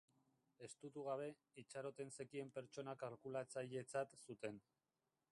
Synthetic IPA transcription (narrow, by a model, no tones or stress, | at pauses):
e̞st̪ut̪uɣ̞aβ̞e̞ | it͡ʃaɾo̞t̪e̞nse̞kie̞mpe̞ɾt͡ʃo̞nakaɾkulat͡saʎe̞t͡sat̪sut̪e̞n